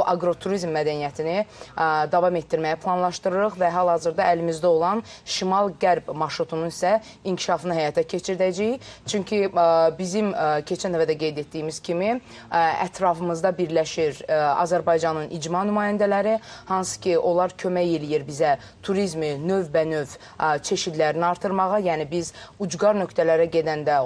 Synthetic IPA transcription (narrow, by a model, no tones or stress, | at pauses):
ʔɑɡɾo̞t̪ʰuɾizmːæd̪ænijæt̪ʰinid̪ɑvɑme̞t̪̚d̪iɾmæjæpʰlˠɑnlˠɑʃt̪ɯɾɯɾɯχvæɦælˠhɑzɯɾd̪ɑælimizd̪æo̞lˠɑn | ʃimɑlˠɡæɾbmɑɾʃɾut̪ʰununisæ | iɲcʰi̥ʃɑfɯnɯhæjɑt̪ʰæcʰe̞t͡ʃʰiɾd̪æd͡ʒæjt͡ʃʰyɲcʰibizimcʰe̞t͡ʃʰænøvæd̪æɡe̞jd̪e̞t̪̚d̪ijːmiz̥cʰimi | æ̰t̪ʰɾɑfɯmɯzd̪ɑbiɾlæʃiɾɑ̰zæɾbɑjd͡ʒɑnɯnʔid͡ʒmɑnymɑːjænd̪ælæɾihɑnsɯ̥cʰiʔo̞lˠɑɾcʰø̞mæjelijiɾbizæ | t̪ʰuɾizminøvːænø̞v | t͡ʃʰe̞ʃid̪læɾiniɑɾt̪ʰɯɾmɑʁɑjæːnibizud͡ʒɡɑɾnø̞kt̪ʰælæɾæɟe̞d̪ænd̪æ